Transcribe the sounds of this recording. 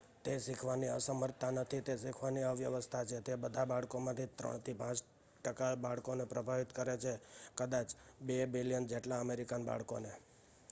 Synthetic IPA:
t̪esikʰʋaniəsəməɾt̪anət̪ʰit̪esikʰʋaniəʋjəʋəst̪ʰat͡ʃʰet̪ebəd̪ʱabaɭkomãt̪ʰit̪ɾə̰ɳ̃t̪ʰipãt͡ʃ | ʈəkabaɭkonepɾəbʱaʋit̪kəɾet͡ʃʰekəd̪at͡ʃbebiljənd͡ʒeʈlaəmeɾikanba̰ɭkone

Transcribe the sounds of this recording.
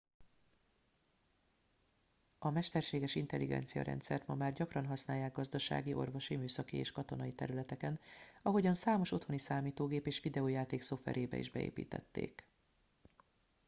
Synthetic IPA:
ɒmɛʃt̪ɛrʃeːɡɛʃint̪ɛlːiɡɛ̰nt̪sijɒ̰ɾɛ̰nt̪sɛ̰rt̪mɒmaːrɟɒkrɒnɦɒsnaːjːaːɡ̚ɡɒzd̪ɒʃa̰ːɡiʔo̞̰rvo̞ʃimyːsɒkieːʃkɒt̪o̞nɒit̪ɛ̰ɾylɛt̪ɛkɛnɒɦo̞ɟɒnsaːmo̞ʃo̞t̪ho̞nisaːmiːt̪oːɡeːpeːʃʋid̪ɛoːjaːt̪eːkso̞fɛ̰ɾʔeːbɛ̰ḭʒbɛḛːpḭːt̪ɛ̰t̪ːḛːk

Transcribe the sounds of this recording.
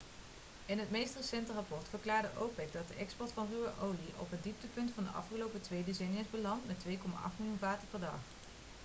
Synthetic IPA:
ɪnɦətmejstrəsɛntərɑpɔɹtfəɹklaːɹdəʔowpɛk̚dɑt̚dəʔɛkspɔɹtfɑnryəʔowliʔɔ̰pəndip̚təpɵntfɑndə̰ʔɑ̰fχəlowpətʋejdəzɛjnɪzbəlɑntmɛtʋejkɔma̰ʔɑ̰χtmilˠjunvaːtəɹpɛɹdɑ̰χ

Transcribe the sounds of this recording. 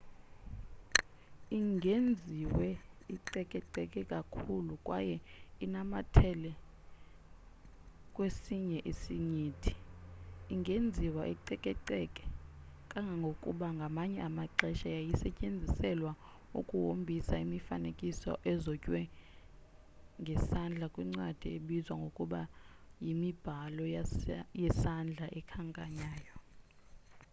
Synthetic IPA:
iŋʱend͡zʱiwɛiǃɛkʼɛǀɛkʼɛkʼakʰulukʼwa̰jɛinamatʰɛlɛ | kʼwesiɲɛʔisiɲiːtʰi̥ | iŋɡʱend͡zʱiwaʔḭǃɛkʼɛǃɛkʼɛ̥ | kʼaŋɡʱaŋɡʱokʼṵɓaŋɡʱamaɲɛamaǃɛʃajajisɛcʼend͡zʱisɛlwa | ukʼuwombʱisaimifanekʼisɔ̰ʔɛzɔcʼwɛ | ŋɡʱɛsand͡ɮʱakʼwiŋ͡ǀwad̥ʱieɓizwaŋɡʱokʼuɓajimib̥ʱalɔjɛsand͡ɮʱaʔɛkʰaŋkʼaɲaːjɔ

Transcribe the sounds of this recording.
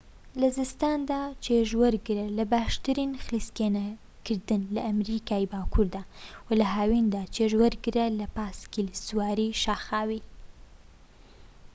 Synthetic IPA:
lazɪst̪ɑnd̪at͡ʃeʒwəɾɡɾalabaʃt̪əɾinxliskena | kəɾd̪ənlaːmɾikaibɑkuɾd̪awəlaɦɑːwind̪at͡ʃeʒwəɾɡɾalapɑskilswɑɾiʃɑxɑwi

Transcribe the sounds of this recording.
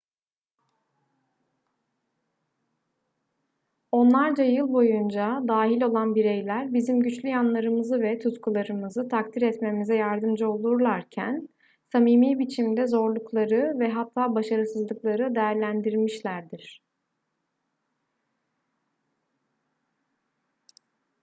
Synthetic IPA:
o̞nlˠaɾd͡ʒajɯlˠbo̞jund͡ʒad̪aːɦilʲo̞lˠanbiɾejlʲæɾbizimɟyt͡ʃlʲyjanlˠaɾɯmɯzɯvɛt̪ʰut̪kʰulˠaɾɯmɯzɯt̪ʰak̚t̪ʰiɾɛt̪me̞mizɛjaɾd̪ɯmd͡ʒao̞lˠuɾlˠaɾcʰæ̰n | samiːmiːbit͡ʃʰimd̪ɛzo̞ɾlˠuklˠaɾɯvɛɦat̪ʰːaːbaʃaɾɯsɯzlˠɯklˠaɾɯd̪e̞jæɾlʲænd̪iɾmiʃlʲæɾd̪iɾ̝̥

